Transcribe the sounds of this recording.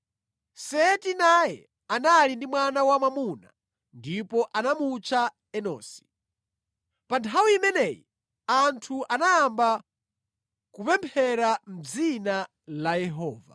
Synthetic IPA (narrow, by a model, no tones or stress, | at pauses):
sɛtinajɛ̰ | analindimwanawamamuna̰ | ndipɔʔanamut͡ʃa | ɛnɔ̰ːsi̥ | pantʰawiimɛnɛːjḭ | antʰuʔanaːmba | kupɛmpʰɛɾam̩d͡zina | lajɛɦɔːva̰